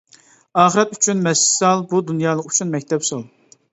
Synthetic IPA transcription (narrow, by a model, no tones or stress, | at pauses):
ɑːχəɾɛt̪yt͡ʃʰynmɛssɑlˠbud̪unjɑːlˠəqy̥t͡ʃʰynmɛk̚ʲt̪ʰɛpsolˠ